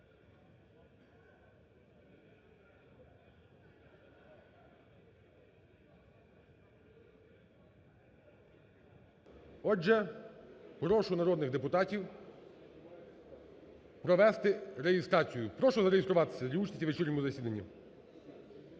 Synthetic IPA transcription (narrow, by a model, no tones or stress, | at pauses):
ɔɛ | ɦɾɔʃʊnɐɾɔd̪nɪɣd̪epʊt̪ɑtʲiw | pɾɔʋɛst̪ɪɾejɪst̪ɾɑt͡sʲijʊpɾɔʃɔzɐɾejest̪ɾʊʋɑt̪ɪ̥sʲɐlʲiut͡ʃ̪ʲitʲiʋet͡ʃirʲnʲɔmʊzɐsʲid̪ɐnʲːi